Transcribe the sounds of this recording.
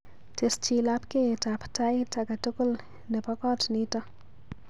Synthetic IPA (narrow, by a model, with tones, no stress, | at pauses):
te˨st͡ʃilapke˦˨tapta˦ɪta˨ka˨to˦ko˦l | nɛ˨pɔ˦kɔ˦tnitɔ˦